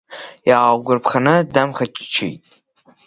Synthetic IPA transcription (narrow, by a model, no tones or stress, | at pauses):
jaːwɡʷʊrpʰχanɨdamχat͡ʃʰʼt͡ʃʰḭjtʼ